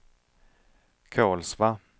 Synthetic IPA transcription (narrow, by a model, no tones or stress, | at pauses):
kʰɑːlsva